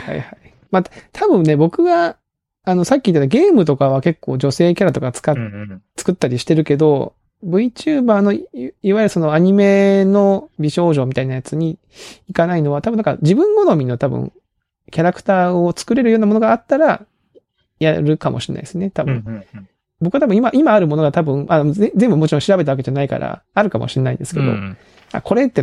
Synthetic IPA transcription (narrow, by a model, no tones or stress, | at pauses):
ha̰ihai | mat̪ʰabɯ̟̃nːe̞bo̞kɯ̟ɡaː | no̞sakʲːiːt̪ːet̪aɡe̞ːmɯ̟t̪̬o̞kaβ̞ake̞kːo̞̰ːd͡ʑo̞se̞ːkʲaɾat̪o̞kat͡sɨ̥kat͡sɨ̥kɯ̟t̪ːaɾʲiɕi̥t̪e̞ɾɯ̟ke̞d̪o̞ | bɯ̟it͡ɕɨːbaːno̞iβajiɾɯ̟so̞no̞aɲ̟ime̞no̞bʲiɕo̞ːʑo̞ːmit̪ainajat͡sɨɲ̟iː | kanaino̞β̞at̪abɯnd̪aka̰d͡ʑibɯ̟̃ŋɡo̞no̞mʲino̞t̪abɯ̰̃ŋ | kʲaɾakɯ̟̥t̪aːo̞t͡sɨ̥kɯ̟ɾe̞ɾɯjo̞ːnamo̞no̞ɡaːt̪ːaɾa | jaɾɯ̟kamo̞ɕiɾena̰id̪sɨnːet̪abɯ̟̃ | bokɯ̟at̪abɯ̟̃imaʔimaːɾɯ̟mo̞no̞ɡat̪abɯ̟̃ɴʔaezẽ̞mbɯmo̞t͡ɕiɾõɕiɾabe̞t̪aake̞d͡ʑanaika̰ɾa̰aɾɯ̟kamo̞̰ɕiɾenaḭ̃nd̪e̞sɨ̥ke̞̰d̪o̞̰ | a̰ko̞ɾe̞t̪ːe